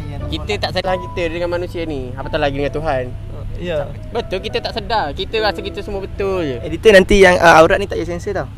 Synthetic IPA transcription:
kit̪ət̪aʔsəɦankit̪ədəŋanmanũsianiapat̪alaɡidəŋant̪uɦan | bət̪ʊlkit̪ət̪aʔsədakit̪əbasəkit̪əsəmuəbət̪ʊld͡ʒuedit̪ənant̪ijaŋəauɾaʔnit̪aʔjəsɛnsət̪a

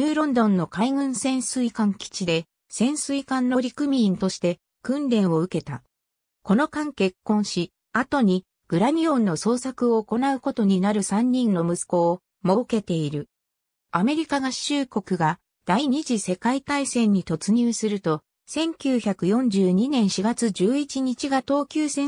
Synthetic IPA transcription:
ɲʲɨːɾõ̞nd̪õ̞nːo̞kaiŋɯ̟̃ɰ̃sẽ̞ɰ̃sɨikãŋkʲi̥t͡ɕid̪e̞ | sẽ̞ɰ̃sɨikãnːo̞ɾʲikɯ̟mʲĩːnt̪o̞ɕi̥t̪e̞ | kɯ̟̃nɾẽ̞ɰ̃o̞ɯ̟ke̞t̪a̰ | ko̞no̞kãŋke̞kːõ̞ɰ̃ɕi | at̪o̞ɲ̟i | ɡ̥ɯ̟ɾamʲiõ̞nːo̞so̞ːsakɯ̟o̞ːko̞naɯ̟ko̞t̪o̞ɲ̟inaɾɯ̟sãɲ̟ːĩnːo̞mɯ̟sɨ̥ko̞ː | mo̞ɯke̞t̪e̞iɾɯ̟ | ame̞ɾʲikaɡḁɕɨːko̞kɯ̟ɡa | d̪̥aiɲ̟iʑise̞kait̪aisẽ̞ɲ̟ːit̪o̞t͡sɨɲ̟ɨːsɨɾɯ̟t̪o̞ | sẽ̞ŋkʲɨːçakɯ̟jõ̞ɲ̟d͡ʑɨːɲ̟inẽ̞ɰ̃ɕiɡat͡sɨd͡ʑɨːit͡ɕiɲ̟it͡ɕiɡat̪o̞ːkʲɨːsẽ̞

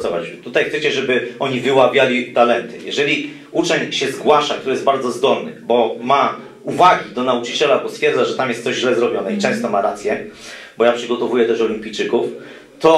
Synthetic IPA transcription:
ɔvat͡ɕt̪ut̪ajxt̪sɛt͡ɕɛʐɛbɘɔɲivɘwabʲjalʲit̪alɛnt̪ɘ̰jɛʐɛlʲi | ut͡ʂɛɲɕɛzɡwaʂakt̪uɾɘjɛz̚baɾd̪zɔzd̪ɔlnɨ̰bɔma | uvaɡʲid̪ɔnaut͡ʂɘt͡ɕɛlabɔst̪fʲjɛɾd̪zaʐɛt̪amjɛst̪sɔʑʑlɛzɾɔbʲjɔnɛit͡ʂɛ̃w̃st̪ɔmaɾat̪sʲjɛ | bɔjapʂɘɡɔt̪ɔvujɛt̪ɛʂɔlʲimʲpʲijt͡ʂɘkuf | t̪ɔ

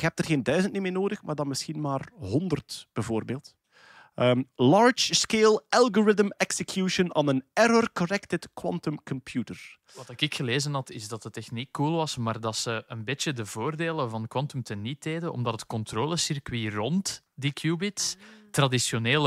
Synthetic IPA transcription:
kəɦɛp̚dərɣeːndœɥzəntnimɪːnoːdəxmaːrdɑnmɪsxinmaːrɦɔndərtb̥ɛvoːrbeːlˠt | əlɑːɹt͡ʃskeːlˠʔalˠɡɔɹɪðəmɛksəkʰjuʃəna̰ːnənɛɾɔrkɔnɛktɪtkwɑ̰ntɔmkɔmpjuːtər | ʋɑtɪkɪkxəleːzənɦɑtɪzdɑtətːɛxnikːulˠʋɑsmaːrdɑtsəənbɪt͡ʃədəvoːrdeːləvɑnkwɑntəmtənit̚eːdəɔ̰mdɑtətkɔntroːləsɪrkwirɔnt | dikʰjuːbɪtstrɑdisjoneːl

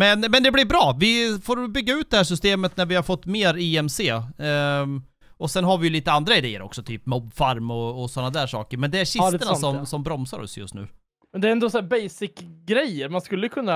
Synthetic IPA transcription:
mɛnmɛnd̪ɛblɪɾbɾɑːvɪfoːɾbʏɡːaʉ̟t̪d̪ɛhæːʂ̬ʏst̪eːmət̪næɾvɪhaɾfɔt̪ːmeːɾiːɛmseː | ɔsɛnɦaɾvɪjʉliːt̪əand̪ɾaɪd̪ḛːə̰ɾɔ̰ksɔt̪ʰy̰ːpmɔbːfaɾmɔːsɔnːad̪æːʂɑ̰ːkəɾmɛnd̪ɛæɾɕɪt̪ənasɔmsɔmbɾɔmsa̰ɾɔ̰sjɵ̰st̪nʉ̟ː | mɛnd̪ɛɾɛnd̪osæːɾbɛjsɪkɡɾɛjəɾmanskɵlːəkʰɵnːa

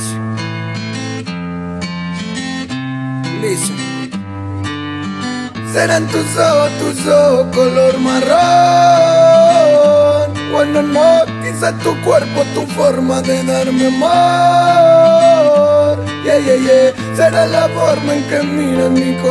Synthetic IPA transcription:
lisi | seɾant̪usot̪usokoloɾmaro | ɾkwãnd̪omokisat̪ukweɾpat̪ufoɾmaðeðaɾmeamo | ɾ | jejeje | seɾalafɔɾmaẽŋkemĩamĩko

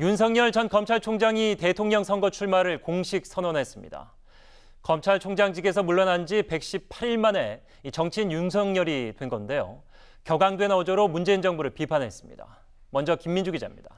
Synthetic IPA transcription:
juns̬ʰʌŋɲʌɭt͡ɕʌnkʌmt͡ɕʰaɭt͡ɕʰoŋd͡ʑaŋite̞tʰoŋɲʌŋsʰʌŋɡʌt͡ɕʰuɭmaɾɯɭkoŋɕʰik̚s͈ʰʌnonɦe̞s͈ɯmɲḭda̰ | kʌmt͡ɕʰaɭt͡ɕʰoŋd͡ʑaŋd͡ʑiɡe̞s̬ʰʌmuɭːʌnand͡ʑipe̞k̚ɕ͈ip̚pʰaɾiɭmane̞ | it͡ɕʌŋt͡ɕʰinjunsʰʌŋɲʌɾitwe̞nɡʌnde̞jo̰ | kjʌɡaŋdwe̞nʌd͡ʑʌɾomund͡ʑe̞ind͡ʑʌŋbuɾɯɭpipʰanɦe̞s͈ɯ̥mɲḭda̰ | mʌnd͡ʑʌkimːind͡ʑuɡid͡ʑa̰mɲḭd̥a̰

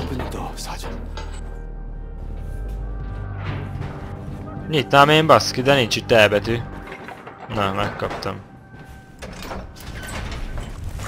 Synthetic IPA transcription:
bnd̪ɒsad͡ʒot̪ | ɲit̪ːaːmeːmbɒskid̪ɛnint͡ʃit̪ːɛːbɛt̪y | nɑmɛkːɒpt̪ɒm

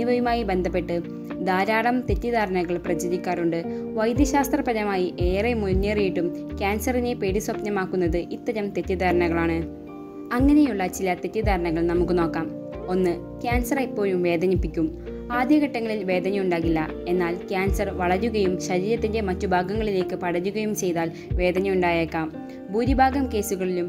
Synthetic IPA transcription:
niʋɐjumaːjibe̞nd̪ʱɐpːe̞ʈːɨ | d̪aːɾaːɽɐmt̪e̞tːid̪aːɾɐɳɐɣɐɭprɐt͡ɕɐðikʲːaːruɳɖɨ | ʋɐjd̪jɐɕaːst̪rɐpɐðɐmaːjiʔe̞ːremuɲːeːrijiʈːumkʲjaːnsɐrine̞pe̞ːɽiswɐpnɐmaːkːunːɐðɨʔit̪ːɐɾɐmt̪e̞tːid̪aːɾɐɳɐɣɐɭaːɳɨ | ɐŋːɐne̞juɭːɐt͡ɕilɐt̪e̞tːiðaːɾɐɳɐɣɐɭnɐmukːɨno̞ːkːaːm | o̞nːɨ | kʲjaːnsɐripːo̞ːɻumʋe̞ːd̪ʱɐnipːikʲːum | aːd̪ʱjɐɣɐʈːɐŋːɐɭilʋe̞ːd̪ʱɐnɐjuɳɖaːɣilːɐ | e̞nːaːlkjaːnsɐrʋɐɭɐɾuɣɐjumɕɐɾiːjɐt̪ːinde̞mɐtːubʱaːɡɐŋːɐɭile̞ːkːɨpɐɽɐɲːuɣɐjumt͡ɕe̞jðaːl | ʋe̞ːd̪ʱɐnɐjuɳɖaːjeːkːaːm | bʱuːd̪ibʱaːɡɐmke̞ːsuɣɐɭilum

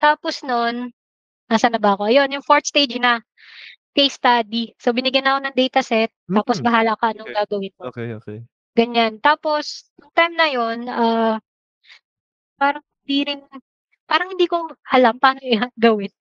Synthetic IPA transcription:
t̪aːpo̞snon | naːsɐnɐbɐɐko̞ʔɐjo̞njʊŋfoɹt̪̚st̪ejd͡ʒnɐ | kɐjst̪ad̪isobɪnɪɡjɐnɐko̞nɐŋd̪ɛjt̪ɐsɛt̪̚ːaːposbɐɦaːlakɐʔɐnoŋɡaːɡɐwɪnmok | ɡ̥ɐɲant̪aːpo̞sjʊŋt̪ɐjmnɐjo̞naː | paːɾɐŋhɪnd̪iːɾɪn | paːɾɐŋhɪnd̪iːkoʔɐlampaːnoʔɪaɡɐwɪn

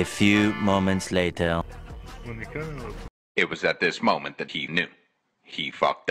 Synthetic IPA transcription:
əfjʉmõʊ̃mə̃ntsleɪtʰə | ɨt̚wʌzɨt̪̚ðɪsmõʊ̃mɨ̃nðɨt̚hinjʉ̰ | ifʌ̰k̚t

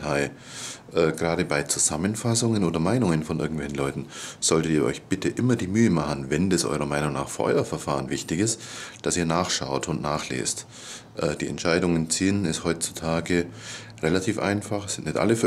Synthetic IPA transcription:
aɪ | ʔɛːɡ̥ʁaːɾəbaɪt͡suzamənfasʊŋənoːdɐmaɪnʊŋənfɔnʔɪɐɡŋ̩tvɛçn̩lɔʏtn̩z̥ɔltətiːɐʔɔ̰ʏçb̥ɪtəʔɪmɐdiːmyːəmaχən̩vɛndasʔɔ̰ʏʁɐmaɪnʊŋna̰ːχfʔɔ̰ʏɐfɛɐfaːʁənvɪçtɪçɪstd̥asiːɐnaːχʃa̰ʊtʊntnaːχlḛːst | ʔɛːd̥iːɛ̰ntʃaɪdʊŋənt͡siːənɪsthɔʏtt͡su̥tʰaːɡə | ʁelatʰiːfʔa̰ɪnfaχsɪntnɪtʔa̰ləf

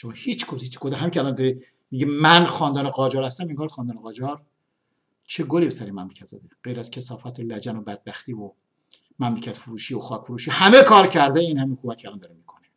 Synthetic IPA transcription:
ʃemɒhit͡ʃkʰod̪iːt͡ʃkʰod̪ɦæmiːkʰʲeælɒnd̪ɒɾi | miɡimænxɒːnd̪ɒːneʁɒːd͡ʒɒːɾhæst̪æmeŋɡɒːɾxɒːnd̪ɒːneɣɒːd͡ʒɒːɾ | t͡ʃʰeɡolibesæɾemæmlecʰæt̪z̥æ̰d̪eɢ̥ejɾæz̥kʰesɒːfɒːt̪ʰolæd͡ʒænobæd̪̚bæxt̪iːvo | mæmlecʰæt̪foɾuːʃiːoxɒːkfoɾuːʃihæme̞kʰɒːɾcʰæɾd̪æiːnhæminkʰomæt̪kʰeælɑnd̪ɒːɾemiːkʰone

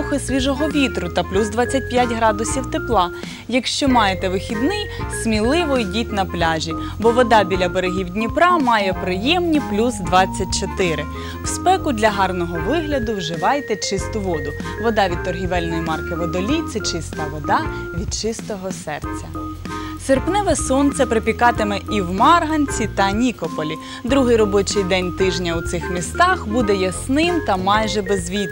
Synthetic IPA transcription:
xɪsʲʋʲiʒɔɦɔʋʲit̪ɾʊt̪ɐplʲuzd̪ʋɑt͡sʲːɐt̚ʲpʲjatʲɦɾɑd̪ʊsʲiwt̪eplˠɑ | jɐkʃt͡ʃɔmɑjet̪ɛʋɪxʲid̪nɪj | smʲilˠɪʋɔjdʲitʲnɐplʲɑʒʲi | bɔʋɔd̪ɑbʲilʲɐbeɾeɦʲiwd̪ʲnʲipɾɑmɑjɛpɾɪjɛmnʲiplʲuzd̪ʋɑt͡sʲːɐt̚ʲt͡ʃɔt̪ɪɾɪ | wspɛkʊd̪ʲlʲɐɦɑrnɔɦɔʋɪɦlʲɐd̪ʊwʒɪʋɑjt̪ɛt͡ʃɪst̪ʊʋɔd̪ʊʋɔd̪ɑʋʲid̪̚t̪ːɔrɦʲiʋɛlʲnɔjimɑrkɪʋɔd̪ɔlʲijt̪sʲɛt͡ʃɪst̪ɐʋɔd̪ɑ | ʋʲid̪̚t͡ʃɪst̪ɔɦɔsɛrt͡sʲːɐ | serpnɛʋɛsɔnt̪sʲɐpɾepʲikɑt̪ɪmɛʔiwmɑrɦɐnʲt͡sʲit̪ɐnʲikɔpɔlʲi | d̪ɾuɦɪjɾɔbɔt͡ʃɪjd̪ɛnʲt̪ɪʒnʲɐwt̪sɪxmʲist̪ɑxbud̪ɛjɐsnɪmt̪ɐmɑjʒɛbezʋʲit̪

